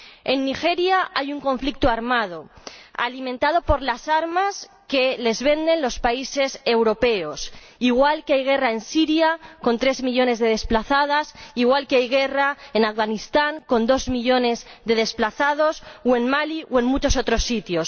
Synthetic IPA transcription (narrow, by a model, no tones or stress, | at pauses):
e̞nːixe̞ɾjaajuŋko̞ɱflik̚t̪oaɾmað̞o̞a̰limẽnt̪að̞o̞po̞ɾlasaɾmas | ke̞le̞zβe̞nd̪e̞nlo̞spaise̞se̞wɾo̞pe̞o̞s | iɣwalkeajɣ̞e̞rae̞nsiɾjako̞nt̪ɾe̞zmiʎo̞ne̞zðe̞ð̞e̞splaθað̞asiɣwalkeajɣe̞raenafɣanist̪aŋko̞nd̪o̞zmiʎo̞ne̞zðe̞ð̞e̞splaθaðo̞swe̞nmaliwe̞nmut͡ʃo̞so̞t̪ɾo̞sːit̪jo̞s